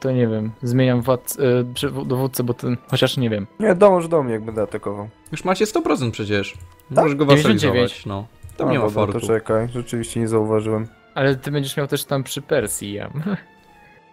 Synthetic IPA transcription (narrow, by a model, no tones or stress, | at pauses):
t̪ɔɲɛvʲjɛmzmʲjeɲamvwat̪spʂɛvud̪ɔvut̪t̪sɛbɔt̪ɛxɔt͡ɕaʂɲɛvʲjɛmɲɛd̪ɔmɔʐd̪ɔmɲɛjaɡ̚bɛnd̪ɛat̪akɔvaw | juʂmat͡ɕɛst̪ɔpɾɔt̪sɛnt̪pʂɛt͡ɕɛʂ | maɔʒɛʐɡɔvaeɔ̃nizd͡ʑevjeɲt͡ɕnɔt̪ɔmɲɛmɔbaɾt̪ɔt͡ʂɛkajʐɛt͡ʂɘvʲiɕt͡ɕɛɲɛzauvaʐɨwɛm | alɛt̪ɘbɛɲd͡ʑɛʂmʲjawt̪ɛʂt̪ampʂɘpɛɾsʲjija̰m